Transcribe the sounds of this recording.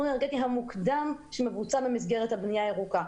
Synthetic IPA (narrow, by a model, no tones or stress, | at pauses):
uneʁɡet̪iɦamukd̪amʃemevut͡sabemis̬ɡe̞ʁet̪habnijaeʁuka